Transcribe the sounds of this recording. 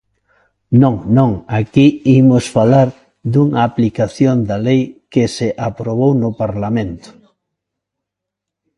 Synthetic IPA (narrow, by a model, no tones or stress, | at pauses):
nõŋnõŋakiimʊsfalaɾ | d̪uŋɐːplikaθjond̪ɐlejkɪsɪʔapɾoβ̞ownʊpaɾlamẽnt̪ʊ̥